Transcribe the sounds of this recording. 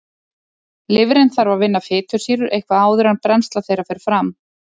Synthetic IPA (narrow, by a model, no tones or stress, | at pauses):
lɪvɾɪnθaɾvavɪnːafɪːt̪ʰʏ̥siːɾʏɾʔejhkvaaːwðʏɾanpɾɛnst̪laθejɾafɛːɾ̥fɾam